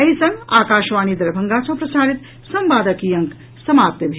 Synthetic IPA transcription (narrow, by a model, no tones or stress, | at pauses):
ɐɦisɐŋɡaːkaːʃʋaːniːd̪ɐɾbʱɐŋɡaːt͡sʰɐ̃pɾɐsaːɾit̪ | sɐmbaːd̪ɐkiːjɐŋk | sɐmaːp̚t̪ɐbʱi